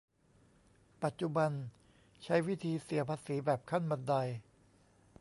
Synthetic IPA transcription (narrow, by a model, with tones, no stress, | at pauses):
pa˨˩t̪̚t͡ɕu˨˩ba˧n | t͡ɕʰa˦˥jwi˦˥˩t̪ʰiː˧si˩˦ɐpʰaː˧siː˩˦bɛː˨˩p̚kʰa˥˩nma˧nda˧j